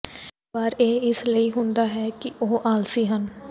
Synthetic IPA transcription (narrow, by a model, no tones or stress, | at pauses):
pəɾeːɪsləiːɦʊnd̪aːɦɛːkɪoːʔaːlsiːɦən